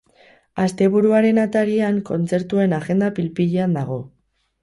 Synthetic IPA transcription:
ast̪e̞β̞uɾuaɾe̞nat̪aɾiaŋko̞nt͡se̞ɾt̪ue̞naɣe̞nd̪apilpiʎeand̪aɣ̞o̞

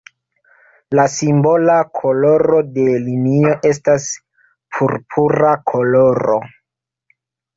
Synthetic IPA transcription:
lasimbo̞lakʰo̞lo̞ɾo̞de̞linio̞ʔe̞s̬tas | pʰuɾpʰuɾakʰo̞lo̞ɾo̰

